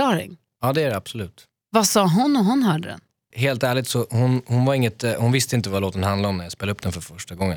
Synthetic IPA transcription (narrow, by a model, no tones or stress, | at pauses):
ɑːɾɪ̰ŋ | ɑːd̪ɛæɖɛab̥sɔlʉ̟ːt̪ | vasɑːɦʊnːɔɦʊnɦœːɖəd̪ɛ̰n | ɦeːlt̪æːɭɪɡ̚t̪sɔhʊnhʊnvaɾɪŋːət̪hʊnvɪst̪əɪnt̪̬əvaloːt̪ənhand̪laɾɔmnæɾjaspeːlaɵp̚ːd̪ɛnfœɾfœʂʈaɡɔŋːən